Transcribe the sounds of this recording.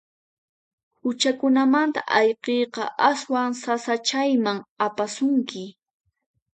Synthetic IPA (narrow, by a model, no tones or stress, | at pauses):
hʊt͡ʃakʊnamant̪a̰ʔajqejqɑ̰ʔaswaŋsasat͡ʃajmaŋapasʊŋkɪ